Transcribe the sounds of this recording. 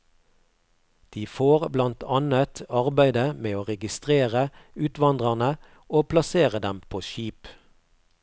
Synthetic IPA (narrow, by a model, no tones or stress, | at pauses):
d̪̥iːfoːʁblɑnt̪ʰɑnət̪ɑʁbæɪd̪əmeːoːʁɛɡɪst̪ʁeːʁə | ʉːt̪ʋɑnd̪ʁɑʁnə | oːpʰlɑseːʁəd̪ɛmpʰoːʃiːp